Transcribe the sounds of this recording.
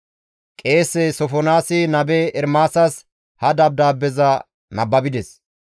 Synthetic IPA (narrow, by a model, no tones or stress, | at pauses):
kʼe̞ːsːɛsɔfɔnaːsɪnɐbɛɛɾmaːsɐs | hɐd̪ɐb̚d̪aːbːɛzɐ | nɐbːɐbɪd̪ɛs